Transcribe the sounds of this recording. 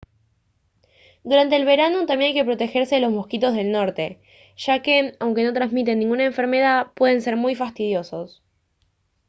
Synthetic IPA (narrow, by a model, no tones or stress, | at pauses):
d̪uɾant̪e̞ːlβe̞ɾanot̪amje̞najke̞p̬ɾo̞t̪e̞xe̞ɾse̞ðelo̞smo̞hkit̪o̞zð̞e̞lno̞ɾt̪e̞ | ʃake̞awŋke̞no̞t̪ɾanzmit̪̬e̞nːĩŋɡunaeɱfe̞ɾme̞ð̞apwe̞ð̞e̞nse̞ɾmujfast̪ið̞jo̞so̞s